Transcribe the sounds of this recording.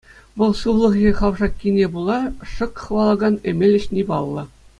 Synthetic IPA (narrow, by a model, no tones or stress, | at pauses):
ʋɤ̆lˠɕuʋlˠɤ̆ʁjʲeχɑʋʐɑkʲːinʲebulˠɑʂɤ̆kχɤ̆ʋɑlˠɤ̆ɡɑnĕmʲelʲːɘ̆ɕnʲibɑlˠːɤ̆